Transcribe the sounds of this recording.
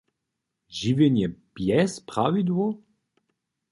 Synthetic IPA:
ʒivenjɛb̥jɛspʁavid̪vo

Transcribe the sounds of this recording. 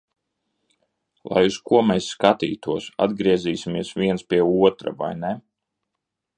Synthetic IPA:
lˠa̰juskuɔmɛsːkat̪ḭːt̪uɔsa̰d̪̚ɡɾiɛziːsʲimiɛsvʲiɛnspʲiɛuɔt̪ɾa̰va̰jnɛ

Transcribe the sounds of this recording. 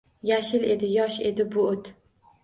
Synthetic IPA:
jaʃɪle̞d̪ɪjɒʃe̞d̪ɪbʊot̪

